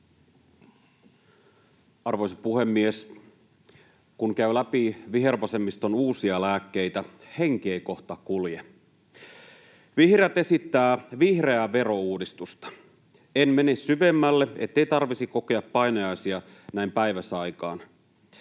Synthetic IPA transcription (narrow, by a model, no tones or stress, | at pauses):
ɑrʋo̞jsɑpuhe̞mːies | kuŋkæylæpiʋiɦe̞rʋɑsemːist̪onuːsiɑlæːkːe̞jt̪æhe̞ŋk̟eːko̞ht̪ɑkulje | ʋihreæt̪e̞sit̪ːæːʋihre̞æʋe̞ɾo̞uːdist̪ust̪ɑ̥ | enme̞nessyʋe̞mːælːeet̪ːe̞ijt̪ɑrʋisikoke̞ɑppɑjnojɑjsiɑnæimpæjʋæsɑjkɑ̰ːn